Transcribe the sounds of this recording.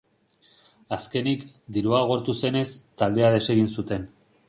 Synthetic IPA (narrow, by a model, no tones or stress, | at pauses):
aske̞nikd̪iɾuaɣ̞o̞ɾt̪use̞ne̞st̪ald̪e̞aðe̞se̞ɣ̞insut̪e̞n